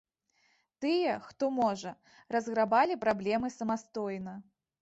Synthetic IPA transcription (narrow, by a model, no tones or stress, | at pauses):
t̪ɨjɛxt̪ɔmɔʐɐ | rɐzɣɾabalʲipɾablʲɛmɨsɐmast̪ɔjnɐ